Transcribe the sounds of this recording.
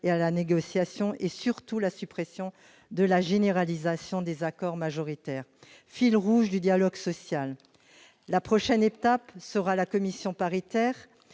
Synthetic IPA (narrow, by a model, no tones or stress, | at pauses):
ealaneɡɔsjasjɔ̃ʔesyʁt̪ulasypχɛsjɔ̃ | d̪əlaʒeneʁalizasjɔ̃d̪ezakɔʁmaʒɔʁit̪ɛːʁ | filʁuʒd̪yd̪jalɔɡsɔsjalː | apχɔʃɛnet̪apsəʁalakɔmisjɔ̃paʁit̪ɛːʁ